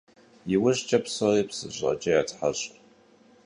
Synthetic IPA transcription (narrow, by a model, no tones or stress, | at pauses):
jɪwʊɕt͡ʃʼɐpsoreːpsɨ̰ɕʼɐ̰t͡ʃʼɐjaːtʰħaɕʼ